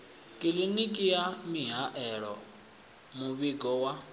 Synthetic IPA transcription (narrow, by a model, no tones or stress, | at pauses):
kʼilinikʼijamiɦaʔɛɺɔ̰ | muβiɡɔwa